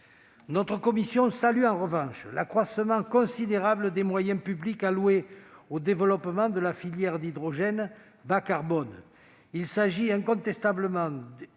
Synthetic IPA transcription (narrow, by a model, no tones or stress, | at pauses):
nɔt̪χəkɔmisjɔ̃salyɑ̃ʁəvɑ̃ʃlakχwasəmɑ̃kɔ̃sid̪eʁabləd̪emwajɛ̃pyblikaluweod̪evəlɔpəmɑ̃d̪əlafiljɛʁd̪id̪ʁɔʒɛn | bakaʁbɔn | ilsaʒiɛ̃kɔ̃t̪ɛst̪abləmɑ̃